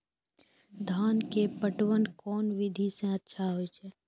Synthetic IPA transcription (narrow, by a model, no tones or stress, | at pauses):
d̪ʱaːnkepəʈwənkɔːnʋɪd̪ʱisẽətːʃʰaɦoit͡ʃʰɛː